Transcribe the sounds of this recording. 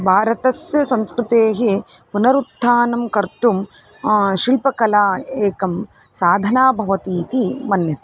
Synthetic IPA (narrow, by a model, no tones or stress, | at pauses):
bʱaːɾɐt̪ɐsjɐsɐ̃nskɾɪt̪eːɦipunɐɾut̪ːaːnɐmkɐɾt̪um | ʃilpɐkɐlaːeːkɐmsaːd̪ʱɐnaːbʱɐʋɐt̪iːt̪imɐnjɐt̪